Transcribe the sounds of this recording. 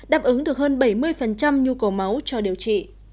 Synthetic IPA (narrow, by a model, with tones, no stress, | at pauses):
ɗaː˨˩p̚ʔɨ˨˦ŋɗɨ˨˩ək̚həː˧nɓa˧˩jmɨ˧əjfə˨˩nt͡ɕa˧mɲu˧kə˨˩wma˨˦wt͡ɕɔ˧ɗi˨˩əwt͡ɕḭ˧˨